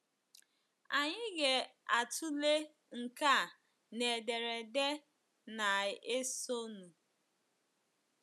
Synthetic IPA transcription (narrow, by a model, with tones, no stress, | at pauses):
a˨ɲɪ˦ɡe˨a˨tʰu˦le˦ | ŋ̩˨ka˦˨ | ne˨de˨ɾe˨de˦ | na˨e˦so˦nu˨